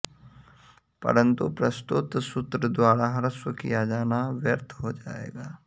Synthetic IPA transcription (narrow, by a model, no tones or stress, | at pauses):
pɐ̰ɾə̃nt̪upɾɐst̪ʊt̪sʊt̪ɾəd̪waːɾaɦɐɾəswəkḭjad͡ʒaːnaʋjəɾt̪ʰɦod͡ʒaːḛːɡaː